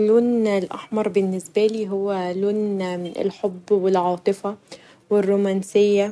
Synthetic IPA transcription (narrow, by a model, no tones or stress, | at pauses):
loːnlʔaħmɑɾˤbɪnːɪsbæliːɦʊwːæloːnɪ̰lħobːwɪlʕɑːt̪ˤɨfɑ | wɪrːuːmæːnsɪjːæ